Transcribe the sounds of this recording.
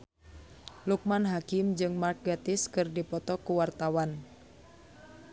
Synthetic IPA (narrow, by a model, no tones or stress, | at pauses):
luk̚manɦakɪmd͡ʒɨŋmark̚ɡat̪ɪskɨrdipɔt̪ɔkuwart̪awan